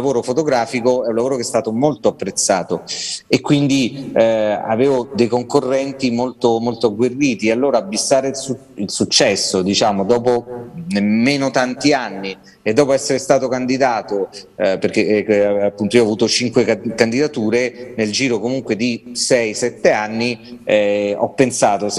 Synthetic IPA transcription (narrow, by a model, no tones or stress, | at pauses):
lavoːɾofot̪oɡɾaːfikoɛunlavoːɾokest̪aːt̪omolt̪oapːɾet̪sːaːt̪oekːwind̪i | a̰veːvod̪ejkoŋkorːɛnt̪imolt̪omolt̪oaɡwerːiːt̪iealːoːɾaːbːisːaːɾesu | ilsut͡ʃːɛsːod̪it͡ʃaːmod̪ɔːponemːeːnot̪ant̪ianːi | ed̪ːɔːpoɛsːeɾest̪aːt̪okand̪id̪aːt̪operkeapːunt̪oiɔavuːt̪ot͡ʃiŋkwekand̪id̪at̪uːɾeneld͡ʒiːɾokomuŋkwed̪isɛjsɛt̪ːeanːi | ɔ̰pːensaːt̪os